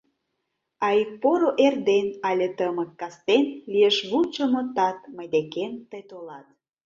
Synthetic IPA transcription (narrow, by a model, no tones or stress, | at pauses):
ɑjpoɾoʔerd̪enɑlʲet̪əməkːɑst̪enlieʃβut͡ɕəmŏt̪ɑt̪məjd̪ekemt̪əjt̪olɑt̪